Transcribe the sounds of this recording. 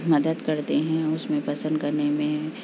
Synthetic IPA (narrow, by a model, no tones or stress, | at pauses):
mɐd̪əd̪kɐɾt̪eɦɛ̃ʊsmẽpɐsə̃nd̪kɐɾnemẽ